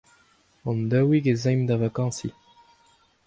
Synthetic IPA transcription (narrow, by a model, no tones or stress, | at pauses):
ɔ̃nd̪œwiɡezɛ̃jmd̪avakɑ̃si